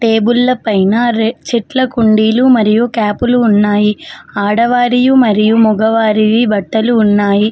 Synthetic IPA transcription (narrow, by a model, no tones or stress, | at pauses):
ʈeːbulːɐpɐjnɐɾt͡ʃiʈlɐkuɳɖiːlumɐɾijukaːpuluːnːaːjiaːɽɐʋaːɾijumɐɾijumuɡɐʋaːɾiʋibɐʈːɐluːnːaːji